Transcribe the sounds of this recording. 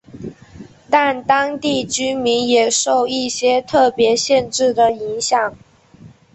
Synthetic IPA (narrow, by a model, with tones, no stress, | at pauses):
t̪a˥˩nt̪ɑ˥ŋt̪i˥˩t͡ɕy˥nmi˧˥njɛ˨˩ʂo˥˧ʊi˥˩ɕjɛ˥t̪ʰɤ˥˩pjɛ˧˥ɕjɛ˥˧nʈ͡ʂɻ̩˥˩d̪ə˩i˧˥ŋɕjɑ˨˩˦ŋ